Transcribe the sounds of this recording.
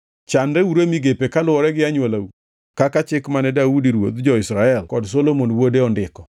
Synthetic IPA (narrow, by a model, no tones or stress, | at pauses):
t͡ʃandɛuɾemiɡepekalʊwɔɾɛɡɪaɲwelau | kakat͡ʃɪkmanɛdaudiɾwo̰d̪d͡ʒɔisɾaɛlkɔds̬olomonwodeɔndɪkɔ